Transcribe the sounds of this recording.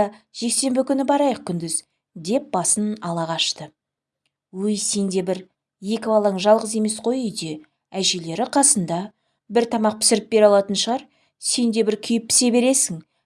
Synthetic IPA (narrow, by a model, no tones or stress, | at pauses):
ɑʒ̥e̞kse̞mbɪkʲʰʏnɪbɑɾɑjəq̚kʲʰʏnd̪ɪz | d̪e̞p̚b̥ɑsənɑlˠɑʁɑʃt̪ə | wɵjse̞nd̪e̞bɪɾ | je̞kʲɪvɑlˠɑɴʒɑlˠʁəze̞me̞sqʰo̞jʏjd̪e̞ | æʒele̞ɾɪqʰɑsənd̪ɑ | bɪɾt̪ʰɑmɑq̚pʰɪ̥sɪɾɪp̚be̞ɾɑlˠɑt̪ənʃəʁɑɾ | se̞nd̪e̞bɪɾkʲʰʏjɪp̚ːʰɪ̥se̞be̞ɾe̞sɪŋ